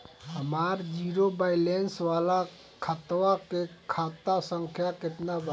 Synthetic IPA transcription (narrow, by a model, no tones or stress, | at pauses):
ɦəmaɾd͡ʒiɾobajlensʋala | kʰət̪wakekʰat̪asəŋkʰjaket̪nabə